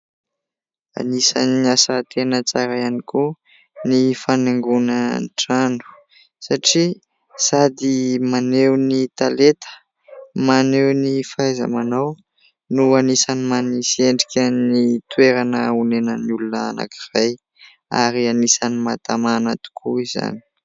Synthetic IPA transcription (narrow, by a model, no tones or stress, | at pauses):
a̰nisa̰niasat̪ʰenət͡saɾajaniku | nifanaŋɡunənʈ͡ʂanu̥ | saʈ͡ʂi | sad̪imanewnit̪alet̪ə̥ | manewnifaaza̰manaw | nuanisanimanisieɳɖ͡ʐikʲanit̪ueɾanəunenəniulunəana̰ki̥v̥aj | a̰ɾianisanimat̪amanat̪u̥kʰuiza̰ni̥